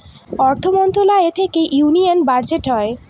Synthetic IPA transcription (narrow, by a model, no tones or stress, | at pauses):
ɔɾt̪ʰomont̪olaet̪ʰekeʔjunijanbaɾd͡ʑeʈɦɔe